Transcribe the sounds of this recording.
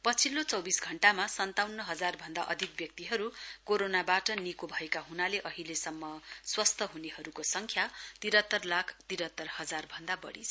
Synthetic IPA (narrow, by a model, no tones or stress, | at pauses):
pʌt͡sʰilːot͡sʌwbisɡʱʌɳʈamasʌnt̪awnːʌɦʌd͡zarbʱʌnd̪a̰ʔʌ̰d̪ʱik̚bjʌk̚t̪iɦʌɾukoɾonabaʈʌnikobʱʌekaɦunaleʔʌɦilesʌmːʌswʌst̪ʰʌɦuneɦʌɾukosʌŋkʰjat̪iɾʌt̪ːʌrlakʰt̪iɾʌt̪ːʌrhʌd͡zarbʱʌnd̪abʌ̰ɽḭt͡sʰʌ